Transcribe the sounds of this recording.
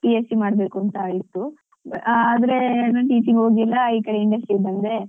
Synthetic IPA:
piesimaːɽbe̞ːkuɐnt̪ɐaɭit̪ːu | aːd̪ɐɾenɐʈiːʈiɡoːɡilːɐiːkɐɽe̞iɳɖɐsʈɾiɡbɐnd̪e

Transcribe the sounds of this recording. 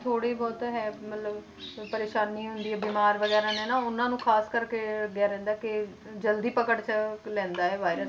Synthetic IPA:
t̪ʰoːɽeːbɔːt̪ɦɛːmət̪ləb | pəɾeːʃaːniːɦʊnd̪iːɛːbiːmaːɾʋəɡɛːɾãːnɛ̃ːnaːʊnãːnũːkʰaːskəɾkeːəɡɪjaːɾɛ̃ːnd̪aːkɪ | d͡ʒəld̪iːpəkəɽt͡ʃəlɛ̃ːnd̪aːɛːʋaːɪɾə

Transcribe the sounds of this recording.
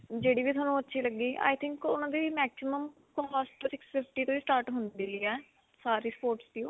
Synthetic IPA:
d͡ʒeːɽiːbiːt̪ʰaːnũːətːʃʰiːləɡːiːʔa̰ːjt̪ʰɪ̃ŋkʊnãːd̪iːmɛːksɪməm | kə̃mpaːsʈəɾɪksfeːpʰʈiːt̪õiːsʈaːɾʈɦʊnd̪iːiːɛː | saːɾiːspoːɾʈsd̪iːõː

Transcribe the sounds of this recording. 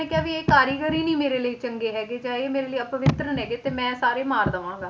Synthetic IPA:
eːkjaːʋiːeːkaːɾiːɡəɾiːnĩːmeːɾeːləiːt͡ʃəŋɡeːɦɛːɡeːd͡ʒãːeːmeːɾeːləiəpəʋɪt̪ɾənɦɛːɡeːt̪eːmɛ̃ːsaːɾeːmaːɾd̪əʋãːŋɡaː

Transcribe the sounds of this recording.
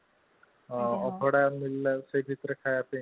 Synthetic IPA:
ɔpʰɔɽamilːasəbʱit̪ɾəkʰajape

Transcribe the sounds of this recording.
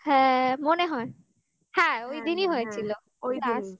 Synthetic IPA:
hɛ̃moneɦɔe | hɛ̃ojd̪iniɦojet͡ɕʰilo | ojdiais

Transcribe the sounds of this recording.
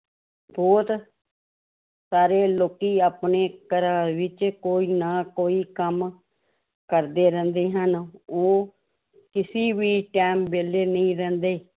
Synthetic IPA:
bɔːt̪ | saːɾeːloːkiːaːpneːkəɾãːʋɪt͡ʃkoːiːnaːkoːiːkəm | kəɾd̪eːɾɛ̃ːnd̪eːɦənoː | kɪsiːʋiːʈɛːmbeːleːnəĩːɾɛ̃ːnd̪eː

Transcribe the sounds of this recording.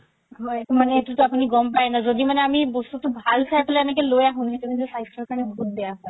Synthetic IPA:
eʈumaneeʈut̪oapuniɡɔmpaenad͡zod̪imaneamibost̪ut̪obʱalsʰajpleɛmek̬elojaɦunet̪ukid͡ʑesajsʈɾaɾkanebʱot̪̚d̪ejaɦɔe

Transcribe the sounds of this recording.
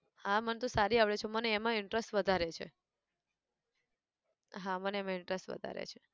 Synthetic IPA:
hãmənt̪õsaɾiaʋɭet͡ʃʰoməneːmãɪɳʈɾəsʈʋəd̪ʱaɾet͡ʃʰḛ | ɦãməneemãɪɳʈɾesʈʋə̰d̪ʱa̰ɾḛt͡ʃʰe

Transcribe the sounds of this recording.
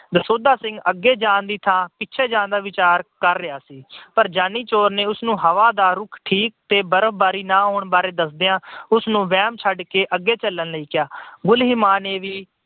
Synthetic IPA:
d̪əsoːd̪aːsɪ̃ŋɡəɡːeːd͡ʒãːnd̪iːt̪ʰãːpɪtːt͡ʃʰeːd͡ʒãːnd̪aːʋɪt͡ʃaːɾkəɾːɪaːsiːpəɾd͡ʒaːniːt͡ʃoːɾneːʊsnũːɦəʋaːd̪aːɾʊkʰʈʰiːk̚t̪eːbəɾəʋbaːɾiːnãːɦoːɳbaːɾeːd̪əsd̪ejãːʊsnũːʋɛːmt͡ʃʰəɖkeːʔəɡːeːt͡ʃəlːənləiːkɪjaːɡʊlɦɪmaːneːʋiː

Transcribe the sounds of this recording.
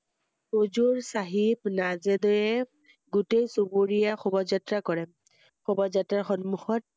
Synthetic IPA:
od͡ʒuɹsaɦibnazɛdɔjɛ | ɡutejsubuɹijaxɔbɔzatɹakɔɹɛ | xɔbɔzatɹaɹxɔnmuxɔt̚

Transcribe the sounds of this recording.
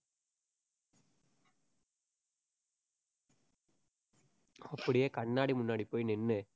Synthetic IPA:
ɐpːɐɽɪjeːkɐɳːaːɽimʊnːaːɽipːoːjnɪnːɯ

